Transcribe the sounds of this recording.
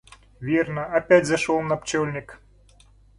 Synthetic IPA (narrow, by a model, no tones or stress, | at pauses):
vʲirnɐɐpʲætʲzɐʂɔlˠnɐpt͡ɕɔlʲnʲɪk